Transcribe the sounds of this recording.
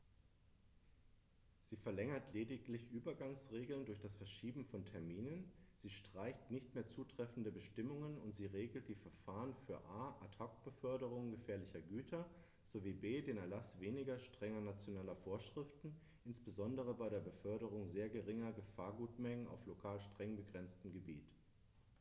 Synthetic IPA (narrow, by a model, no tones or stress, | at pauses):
z̥iːfɛɐlɛŋɐtʰleːdɪklɪçʔyːbɐɡaŋsʁeːɡl̩ndʊɐçd̥asfɛɐʃiːbm̩fɔntʰɛɐmiːnənz̥iːʃtʁ̥aɪçtnɪçtmeːɐt͡suːtʁ̥ɛfn̩dəbəʃtɪmʊŋənʊntz̥iːʁeːɡl̩t̚d̥iːfɛɐfaːʁənfyːɐʔaːʔatʰak̚b̥əfœɐɾəʁ̞ʊŋɡəfɛːɐlɪçɐɡyːtʰɐ | z̥oviːbeːdeːnɛɐlasv̥eːnɪɡɐʃtʁ̥ɛŋɐnat͡sjonaːlɐfoːɐʃʁ̥ɪftn̩ | ʔɪnsb̥əzɔndəʁ̞əbaɪɾeːɐbəfœɐɾəʁʊŋzeːɐɡəʁɪŋɐɡəfaːɐɡuːtmɛŋəna̰ʊflokʰaːlʃtʁ̥ɛŋbəɡʁɛnt͡stəm̩ɡəbḭːt